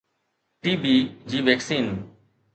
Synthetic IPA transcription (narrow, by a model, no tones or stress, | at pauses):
ʈiːbiːd͡ʑiːʋeːksiːn